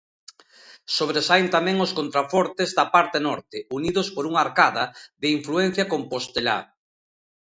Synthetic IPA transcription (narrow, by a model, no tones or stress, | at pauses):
soβɾesajnt̪amɛ̃ŋoskont̪ɾafɔɾt̪ezðɐpaɾt̪enɔɾt̪ɪuniðospoɾuŋaɾkaðɐðeiɱfluɛn̟θjɐkompost̪ela̰